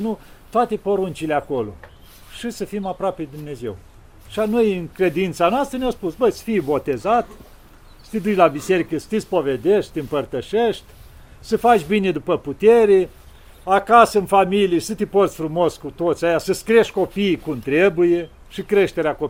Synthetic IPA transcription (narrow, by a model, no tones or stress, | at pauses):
nu | t̪oat̪e̞poɾunt͡ʃileako̞lo̞̰ | ʃisəfimapɾoaped̪umne̞ze̞̰w | ʃianojɨŋkɾe̞d̪int̪sanoast̪ɾənʲawspusbəsə̥fijbo̞t̪e̞zat̪ | sə̥t̪ed̪ut͡ʃʲlabise̞ɾikəsə̥t̪espo̞ved̪eʃt̪t̪ʲeɨmpərt̪əʃeʃt̪ʲ | səfat͡ʃʲbine̞d̪upəput̪eɾe̞ | akasəɨnfamilijesət̪ʲeporsʲfɾumo̞skut̪ot̪sʲajasəskɾieʃʲko̞piːkumt̪ɾebuje̞ | ʃikɾe̞ʃt̪e̞ɾeako